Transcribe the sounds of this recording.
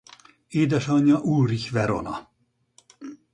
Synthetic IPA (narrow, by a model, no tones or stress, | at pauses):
eːd̪ɛʃɒɲːɒʔuːriçʋɛɾo̰nɒ̰